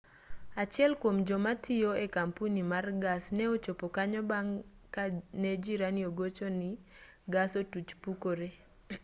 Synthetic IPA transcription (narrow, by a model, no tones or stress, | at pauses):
at͡ʃɪɛlkwomd͡ʒɔmatʰɪoekampunimarɡasnɛot͡ʃopokaɲɔbaŋ | kanɛd͡ʒiɾanioɡot͡ʃonɪ | ɡasotut͡ʃpukoɾe